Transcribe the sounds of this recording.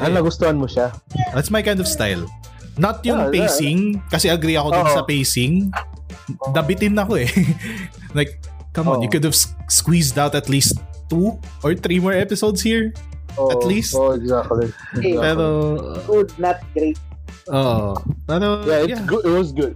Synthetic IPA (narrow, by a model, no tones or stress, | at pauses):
ɐnɐɡʊst̪ohɐnmoʃad̪at̪smɐjkãj̃nd̪ɔv̥st̪ajl | nɐt̪̚jʊŋpejsɪŋkɐsɛʔɐɡɾiɐkod̪onsɐpejsɪŋ | d̪ɐbɪt̪ɪnːɐkoɛ | lajk̚ː | ɐmɔ̃njʊkʊd̪ɐvsskwisd̪awt̪ɐt̪liːst̪ː | u | ʔɔɹθɾimɔɹʔɛpɪsowd̪shiɹ | ɐt̪listoɛɡzakt̪li | zpɛɾo̰ɡʊd̪̚nɐt̪̚ɡɾejt̪̚ | ʔoːʔopaɾojaɪɡʊɪt̪̚wɔsɡʊd̪̚